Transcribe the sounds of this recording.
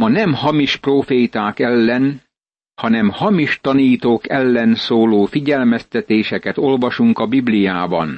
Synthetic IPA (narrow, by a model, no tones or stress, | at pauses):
mɒnɛmhɒmiʃproːfeːt̪aːkɛlːɛn | hɒnɛmhɒmiʃt̪ɒniːt̪oːkɛlːɛnsoːloːfiɟɛlmɛst̪ɛt̪eːʃɛkɛt̪o̞lvɒʃuŋkɒbiblijaːbɒ̰n